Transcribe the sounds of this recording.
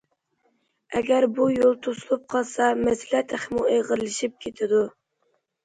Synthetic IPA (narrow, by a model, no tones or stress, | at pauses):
ɛɡʲæɾbujolˠt̪ʰosulˠup̚qʰɑlˠsɑmɛsɪlæt̪ʰæχmueʁəɾlɨʃip̚kʲʰet̪ʰɪd̪u